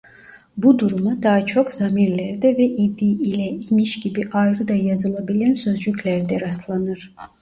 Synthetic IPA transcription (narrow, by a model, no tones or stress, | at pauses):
bud̪uɾumad̪aːat͡ʃʰo̞kz̥amiɾlʲæɾd̪ɛvɛʔid̪ːiilʲɛimiʃɟibiʔajɾɯd̪ajazɯlˠabilʲænsø̞zd͡ʒycʰʲlʲæɾd̪ɛɾaslˠanɯɾ̥